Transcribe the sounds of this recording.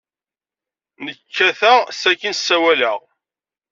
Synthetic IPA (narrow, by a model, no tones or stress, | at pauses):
nəkʰːæθæʁsækːənsːæwæləʁ